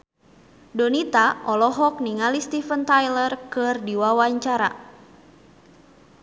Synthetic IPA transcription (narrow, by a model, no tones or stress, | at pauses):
dɔnit̪aʔɔlɔɦɔk̚niŋalist̪ifənt̪ajlərkɨrdiwawaɲt͡ʃaɾa̰